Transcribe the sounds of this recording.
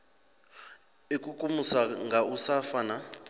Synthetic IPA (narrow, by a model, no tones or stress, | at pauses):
ekʼukʼumusaŋɡʱausafana